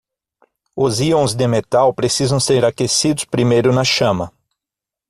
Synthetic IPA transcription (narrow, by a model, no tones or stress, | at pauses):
ʊziõzd̪ɪmet̪awpɾesizɐ̃w̃seɾakesid̪ʊspɾimejɾʊnɐʃɐ̃mɐ